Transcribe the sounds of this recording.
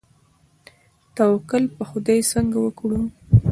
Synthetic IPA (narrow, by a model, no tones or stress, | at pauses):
t̪awkəlpəxʊd̪ajsəŋɡawəkɽu